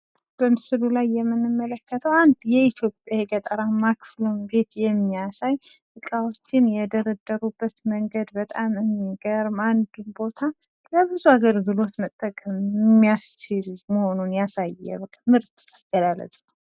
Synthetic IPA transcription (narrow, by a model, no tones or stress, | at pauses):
b̥əmɨsɨlulajːɛmːɨnɨmːələkʰːət̪ʰəwand̪jɛit̪ʰjo̞pʼjajekʼət̪ʼəɾamakflumbe̞t̪jɛmːiasajʔɨkʼawo̞t͡ʃːɪnjɛd̪əɾəd̪ːəɾubːət̪məŋɡəd̪bət̪ʼamɨmːiɡəɾmand̪ɨbo̞t̪ʰa | ləbɨzuaɡəɾɡɨlo̞t̪mət̪ʼːəkʼəmɪmːijast͡ʃɪlməho̞nunjasajːɛ̰bəkʼːamɨɾt̪ʼaɡ̥əlalə̰t̪ʼə